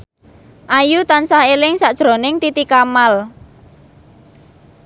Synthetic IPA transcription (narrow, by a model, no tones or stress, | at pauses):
ʔajut̪ansahelɪŋsaʔd̥ʒ̥ɾo̤nɪŋt̪it̪ikamal